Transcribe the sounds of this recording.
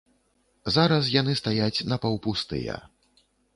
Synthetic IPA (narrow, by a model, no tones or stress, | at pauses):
zaɾɐs̬jan̪ɨst̪ajat͡sʲnɐpɐwpust̪ɨ̰jɐ̰